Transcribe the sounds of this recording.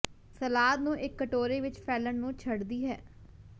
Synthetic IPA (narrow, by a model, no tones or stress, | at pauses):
səlaːd̪nũːʔɪkːəʈoːɾeːʋɪt͡ʃpʰɛːləɳnũːt͡ʃʰəɽd̪iːɦɛː